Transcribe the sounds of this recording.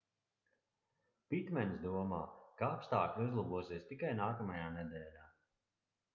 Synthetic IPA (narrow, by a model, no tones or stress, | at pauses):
pit̪mʲɛnsd̪uɔmaːkaapst̪aːklʲuzlˠabuɔsiɛst̪ikajnaːkɐmajaːnɛd̪ɛːlʲaː